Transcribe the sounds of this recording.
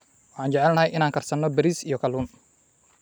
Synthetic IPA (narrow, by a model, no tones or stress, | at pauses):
ʔɔħaːnd͡ʒɛʕɛlnɐɦɛjʔɪnaːŋkɐrsɐnːɔbɛɾisijɔkɐlun